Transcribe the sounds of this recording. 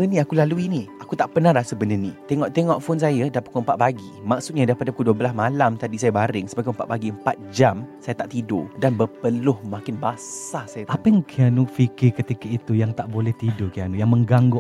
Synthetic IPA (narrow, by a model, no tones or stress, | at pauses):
ənĩakulaluiniakut̪aʔpənãɾasəbənənĩt̪eŋɔʔt̪eŋɔʔfons̬ajadapat̪̚kuəmpaʔ̪̚baɡimak̚sut̪̚ɲadaɾipadakuduəblasmalamt̪adisajabaɾɪŋsəbakuəmpaʔ̪̚baɡiəmpat̪̚d͡ʒamsajat̪aʔt̪ido̰danbəpəlʊhmãkɪnbasasajat̪aapaŋkʰianufikɪkət̪ikait̪ujaŋt̪aʔbolɛht̪idokianujaŋməŋɡaŋɡʊʔ